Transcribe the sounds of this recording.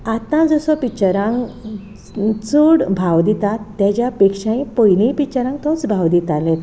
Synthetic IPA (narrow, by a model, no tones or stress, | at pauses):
at̪ãd͡zɔsɔpit͡ɕaɾãŋɡ | t͡suɽbʱawd̪it̪at̪ːjat͡ɕjapekʂãĩpəjlĩpit͡ɕaɾãŋɡt̪ɔt͡sbʱawd̪it̪alẽt̪